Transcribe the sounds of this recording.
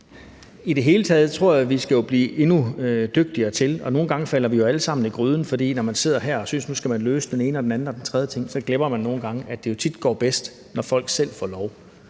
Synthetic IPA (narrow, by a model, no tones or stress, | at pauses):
id̥e̝ɦe̝ːlət͡sʰɛːð̞̩ˠt͡sʰʁo̝ɐ̰jæʋisɡ̥æjo̝b̥liːʔe̝nud̥øɡ̥̚d̥iɐːt͡sʰe̝lɒ̽no̝ːn̩ɡ̥ɑ̈ŋəfæl̰ɐʋijo̝æləsɑ̈m̰n̩iɡ̥ʁyːð̞ˠn̩fɒ̽d̥ḭːnɒmænse̝ð̞̰ˠɐɦæɐɒ̽synsnusɡ̥æmænløːsəd̥ene̝ːnəɒ̽d̥enæn̩ɒ̽d̥ent͡sʰʁɛðˠət͡sʰe̝ŋ̰sɒ̽ɡ̥lemɐmænːo̝ːn̩ɡ̥ɑ̈ŋəʔæd̥e̝jo̝t͡sʰid̥ɡ̥ɒ̰ːb̥esd̥ | nɒfɒ̽l̰ɡ̥sel̰fɒ̰ːlɒʊ